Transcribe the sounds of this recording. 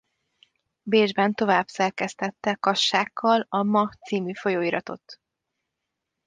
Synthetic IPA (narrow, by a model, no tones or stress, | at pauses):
beːʒbɛnt̪o̞vaːbsɛrkɛst̪ɛt̪ːɛkɒʃːaːkʰːɒlɒmɒt̪siːmyfo̞joːiɾɒt̪o̞̰t̪ː